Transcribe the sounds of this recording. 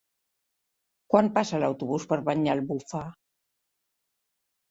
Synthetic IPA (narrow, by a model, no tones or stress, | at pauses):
kwampasalawt̪uβuspəɾβaɲalβufa